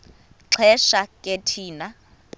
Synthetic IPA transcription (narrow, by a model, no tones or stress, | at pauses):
ǁʰɛʃakʼetʰiːna